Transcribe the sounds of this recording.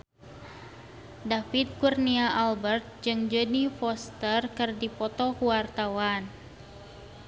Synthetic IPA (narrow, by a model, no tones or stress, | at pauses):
dafit̪̚kurniaʔalbərt̪̚d͡ʒɨŋd͡ʒənifɔst̪ərkɨrdipɔt̪ɔkuwart̪awan